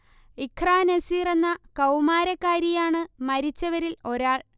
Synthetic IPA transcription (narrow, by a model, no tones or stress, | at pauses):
ikʰraːnesiːrenːɐkɐwmaːɾɐkːaːɾjɐjaːɳɨmɐɾit͡ɕːɐʋɐɾilo̞ɾaːɭ